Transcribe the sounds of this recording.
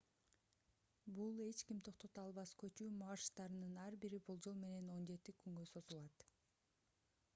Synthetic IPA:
bulˠe̞t͡ʃkimt̪ʰo̞qt̪o̞t̪uɑlˠβɑskø̞t͡ʃyːmɑʃt̪ɑɾɯnɯnɑɾbiɾibolˠd͡ʒo̞lˠme̞ne̞no̞nd͡ʒe̞t̪ikyŋɡø̞so̞zulˠɑt̪

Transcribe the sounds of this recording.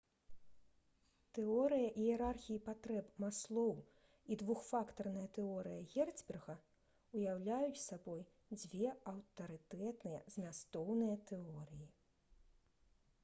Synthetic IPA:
t̪ɛɔɾɨjɐʔijɛɾarxʲijipat̪ɾɛpmaslˠɔw | id̪vuxfakt̪ɐrnɐjɐt̪ɛɔɾɨjɐɣʲɛrzʲbʲɛrɣɐ | ujawlʲajut͡sʲsabɔj | d͡zʲvʲɛɐwt̪ɐɾɨt̪ɛt̪nɨjɐ̰z̥ʲmʲast̪ɔwnɨjɐt̪ɛɔɾɨji

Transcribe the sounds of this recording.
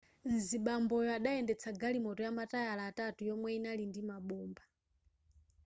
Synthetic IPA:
nziɓambɔjɔaɗaɛndɛt͡sʰaɡalimɔtɔjamatajalaːtatujɔmwɛinalindimaɓɔːmba

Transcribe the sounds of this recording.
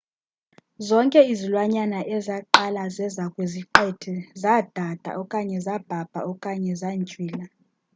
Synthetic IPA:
zɔŋkʼɛizilwaɲanaʔɛzaǃalazɛzakʼweziǃɛtʰɛzad̥ʱad̥ʱa̰ʔɔkʼaɲɛzab̥ʱab̥ʱa̰ɔkʼaɲɛzant͡ʃʼwiːla

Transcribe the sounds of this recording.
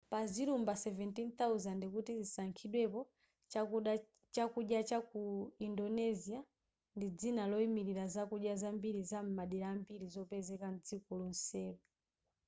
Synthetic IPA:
paziɾumbasɛvɛntint̪auzandikutizisaŋkʰiɗwɛpɔ | t͡ʃauɗ | t͡ʃakuɗjat͡ʃakuindɔnɛzia | ndid͡zinalɔimiɾiɾazakuɗjazambiɾizam̩maɗiɾambiɾizɔpɛzɛkan̩d͡zikulun̩sɛːku

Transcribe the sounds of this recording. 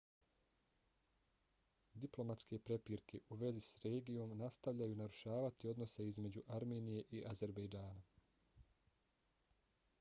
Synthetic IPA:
d̪iplo̞mat̪ske̞pɾe̞piːɾkʰe̞ʔuʋe̞zisɾeːɡijo̞mnast̪aʋʎajunaɾuʃaːʋat̪io̞d̪no̞se̞izme̞d͡ʑuʔaɾme̞ːnije̞ʔiʔaze̞ɾbejd͡ʒaːna

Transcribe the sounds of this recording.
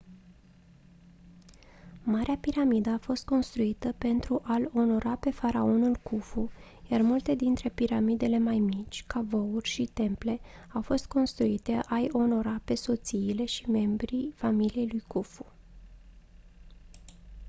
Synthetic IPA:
maɾeapiɾamid̪əafo̞st̪̚ko̞nst̪ɾuit̪əpe̞nt̪ɾuʔalo̞no̞ɾape̞faɾao̞nulkufu | jarmult̪e̞d̪int̪ɾe̞piɾamid̪e̞le̞majmit͡ʃʲkavo̞urʲʃit̪e̞mple̞awfo̞st̪̚ko̞nst̪ɾuit̪eʔajo̞no̞ɾape̞so̞t̪siːle̞ʃime̞mbɾifamilije̞jlujkufu

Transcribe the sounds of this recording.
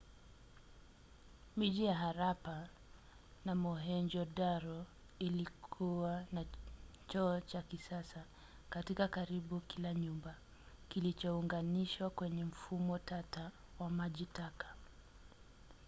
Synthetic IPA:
miʄijaɦaɾapa | namɔɦɛɲd͡ʒɔdaɾɔ | ilikʰuwanat͡ʃɔːt͡ʃakisasa | katikakaɾiɓukilaɲumba | kilit͡ʃɔuŋɡaniʃwakwɛɲɛm̩fumɔtata | wamaʄitakḁ

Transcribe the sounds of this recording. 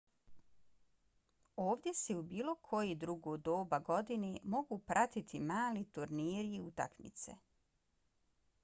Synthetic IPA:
oːʋd̪je̞seubiːlˠo̞kʰo̞jed̪ɾuɡod̪oːbaɡo̞d̪inemo̞ɡupɾʔat̪it̪ʰimaːlit̪uɾniːɾiːut̪a̰kmḭt̪se̞̰

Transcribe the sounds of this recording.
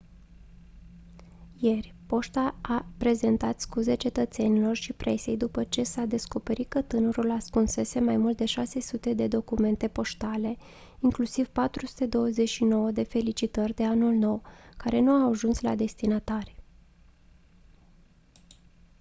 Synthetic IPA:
je̞rʲpo̞ʃt̪aapɾe̞ze̞nt̪at̪skuze̞t͡ʃe̞t̪ət̪se̞nilo̞rʃipɾʔe̞se̞jd̪upət͡ʃe̞sad̪e̞sko̞pe̞ɾit̪̚kət̪ɨnəɾulaskunse̞se̞majmult̪̚d̪e̞ʃase̞sut̪e̞d̪e̞d̪o̞kume̞nt̪e̞po̞ʃt̪ale̞ | iŋklusiv̥pat̪ɾusu̥t̪e̞d̪o̞wəze̞ʃino̞wəd̪e̞fe̞lit͡ʃit̪ərʲd̪e̞anulno̞wkaɾe̞nuaaʒunsla̰d̪e̞st̪inat̪arʲ

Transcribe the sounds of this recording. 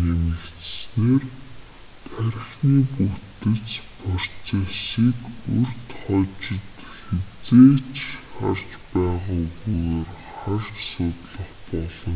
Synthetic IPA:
emɘ̆kt͡s̪sneːr | t̪ʰæɾʲxniːput̪ɘ̆t͡spʰɔr̥t͡saːʃiːkɵrt̪χɔːt͡ɕɪ̆t̪xet͡seːt͡ɕχa̰rt͡ɕpæːʁaːuɣuɣoːr | χart͡ɕsʊt̪ɮə̆χpɔɮɞ̆ŋ

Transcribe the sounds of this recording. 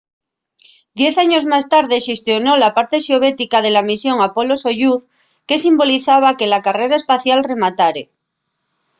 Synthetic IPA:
d̪je̞θaɲo̞zmast̪aɾðe̞ʃest̪jo̞no̞lapaɾt̪e̞ʃeo̞β̞et̪ikað̞e̞lamisjo̞ŋapo̞lo̞soʝuθ | ke̞simbo̞liθaβ̞ake̞lakare̞ɾaespaθjalre̞mat̪aɾe

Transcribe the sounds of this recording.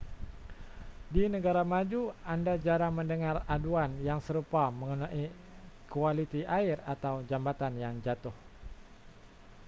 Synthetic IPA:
dinəɡaɾamad͡ʒuandad͡ʒaɾaŋməndəŋaraduanjaŋsəɾupaməŋunaʔi | kualit̪iʔaɪrat̪awd͡ʒambat̪anjaŋd͡ʒat̪ʊh

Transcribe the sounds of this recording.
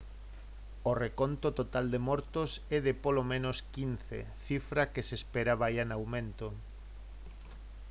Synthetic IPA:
orekont̪ot̪ot̪ald̪emɔɾt̪osɛðepolomẽnoskin̟θḛ | θifɾakesespeɾaβajanawmẽnt̪o

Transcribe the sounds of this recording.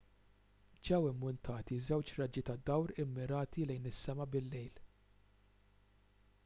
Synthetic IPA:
d͡ʒɛwɪmːʊnt̪ʰɐːt̪izɛwt͡ʃɾɐd͡ʒit̪ɐd̪ɐwɾɪmːɪɾɐːt̪ilɛjnɪsːɛmɐbɪlːɛjl

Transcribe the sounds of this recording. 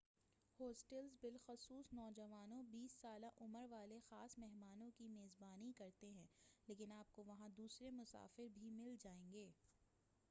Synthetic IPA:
hɔːsʈɛlzbɪlxʊsuːsnɔːd͡ʒɐʋaːnõbiːsːaːlaʔʊməɾʋaːlexaːsmɛɦmaːnõkimeːzbaːnikɐɾt̪eɦɛ̃ːleːkɪnaːp̚koʋɐɦãd̪uːsɾemʊsa̰ːfɪɾbʱimɪld͡ʒaːẽːŋɡeː

